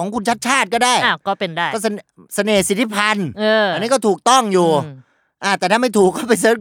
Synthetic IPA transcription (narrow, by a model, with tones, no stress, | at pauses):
ɔː˩˦ŋkʰu˧nt͡ɕʰa˦˥t̪̚t͡ɕʰaː˥˩t̪̚kɔː˥˩daː˥˩ja˧˩kkɔː˥˩pe˧ndaː˥˩jkːɔ˥˩snsa˧neː˨˩si˨˦t̪ʰːi˦˥pʰa˧nɤː˧a˧nːiː˦˥kɔ˥˩t̪ʰuː˨˩k̚t̪ɔ˥˩ŋjuː˨˩ | ʔaː˧˩t̪ɛː˨˩t̪ʰaː˥˩ma˥˩t̪ʰuː˨˩kːɔː˥˩pa˧jsɤː˦˥